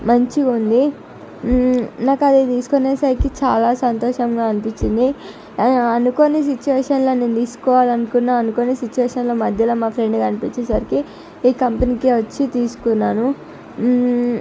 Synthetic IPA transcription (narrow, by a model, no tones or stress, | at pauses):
mɐɲt͡ʃiund̪i | naːkɐd̪it̪iːsu̥koneːsɐɾikit͡ʃaːlaːsɐnt̪oːʂɐmɡaːɐnipiɲt͡ʃːind̪i | ɐnukonis̬it͡ʃuʋeːʂɐnlo̞ːne̞ːnt̪iːsu̥kɔːʋaːlɐnukunːaːɐnukonisit͡ʃːuʋeːʃɐnlo̞ːmɐd̪ʱjɐloːmaːpʰɾe̞ɳɖɡɐnipiɲt͡ʃesɐɾiki | iːkɐmpɐnikiʋɐt͡ʃːit̪iːsu̥kunːaːnu